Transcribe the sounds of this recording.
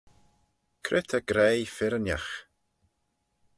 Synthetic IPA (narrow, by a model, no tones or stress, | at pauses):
kʰɾɪt̪ʰəɡ̥ɾejfɪɾənjax